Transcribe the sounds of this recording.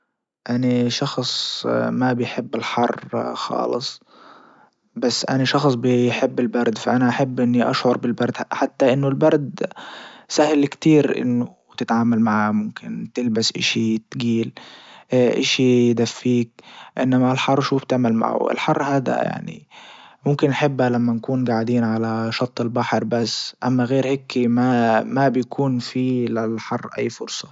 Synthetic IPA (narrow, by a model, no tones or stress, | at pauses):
ʔanaʃɑxsˤmabɪjħɪbːɪlħɑrˤːxɑ̰ːlɨsˤ | basːʔa̰naʃɑxsˤbɪjħɪbːɪlbɑɾˤd̪faʔanaʔaħabːʔɪnːiʔa̰ʃʕʊɾˤbɪlbɑɾˤd̪ħat̪ːaʔɪnːʊlbɑɾˤd̪ | sahɪlkt̪iːɾʔɪ̰nːʊ | t̪ɪt̪ʕaːmalmaʕamʊmkʰɪnt̪ɪlbasʔɪ̰ʃit̪ɡiːl | ʔɪ̰ʃijd̪afːiːk̚ʔɪnːamalħɑrˤːʃuːft̪ɪʕmalma̰ʕʊ̰ʔɪ̰lħɑrˤːhaːd̪a̰ja̰ʕnḭmʊmkɪnʔħɪbːhalamːankuːnɡaʕɪd̪iːnʕalaʃɑt̪ˤːɪlbaħɾbasːʔa̰mːaɣeːɾhekːimamabɪjkʰuːnfilɪlħɑrˤːʔa̰jːfʊɾsˤɑ̥